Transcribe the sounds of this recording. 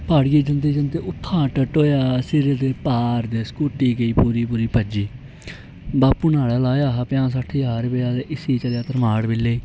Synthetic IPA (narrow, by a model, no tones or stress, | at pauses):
paːɽɡiːd͡ʒənd̪iːd͡ʒənd̪eːʊt̪ʰːãːʈəʈoːjaːsɪɾeːd̪eːpaːɾd̪eːskuːʈiːɡəiːpuːɾiːpuːɾiːpəd͡ʒiː | baːpuːnaːɭɛːlaːjaːɦaːpɪjãːsaːʈʰːiːɦaːɾbeaːd̪eːʔɪsiːt͡ʃəɾjaːt̪əɾmaːɽbɪleːiː